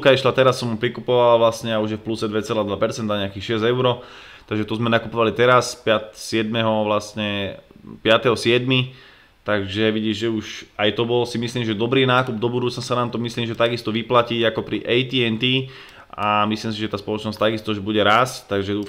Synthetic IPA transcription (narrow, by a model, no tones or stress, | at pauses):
kaiʃlat̪ɛɾasːɔmupɾikupɔʋalʋlasɲɛauʒjɛfplusɛd̪ʋɛt͡sɛlaːd̪ʋapɛɾt͡sɛnd̪aɲɛakixʃɪɛzɛʊɾɔ | t̪aɡʒɛt̪ɔzmɛnakupɔʋalit̪ɛɾaspat̪sɪɛd̪mɛɦɔʋlasɲɛpɪat̪ɛɦɔsɪɛd̪mi | t̪aɡʒɛʋiɟiʒʒɛuʃajt̪ɔbɔlsimisliːmʒɛd̪ɔbɾiːnaːkub̚d̪ɔbud̪uːt͡snasanaːmt̪ɔmisliːmʒɛt̪aɡist̪ɔʋiplaciɟakɔpɾiʔɛjt̪iɛnt̪i | ʔamisliːmsiʒɛt̪aːspɔlɔt͡ʃnɔst̪aɡist̪ɔuʒɛbuɟɛɾast̪aɡʒɛu